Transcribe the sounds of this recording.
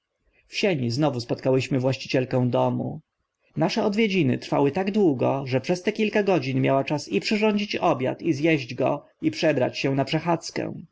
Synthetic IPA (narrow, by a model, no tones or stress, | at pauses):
fɕeɲiznɔvuspɔt̪̚kawɘɕmɘvwaɕt͡ɕi̥t͡ɕɛlkɛ̃w̃d̪ɔmṵ | naʂɛɔd̪vʲjed͡ʑinɘ̰t̪ɾfa̰wɘt̪aɡd̪wuɡɔʐɛpʂɛst̪ɛkʲilkaɡɔd͡ʑinmʲjawat͡ʂasipʂɘʐɔɲd͡ʑit͡ɕɔbʲja̰t̪izjɛʑd͡ʑɡɔ̰ | ipʂɛbɾa̰t͡ɕɕɛ̃napʂɛxat̪skɛ̰̃w̃